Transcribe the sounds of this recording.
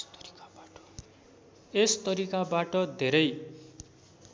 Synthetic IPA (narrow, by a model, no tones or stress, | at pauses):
est̪ʌɾikabaʈʌd̪ʱeɾʌj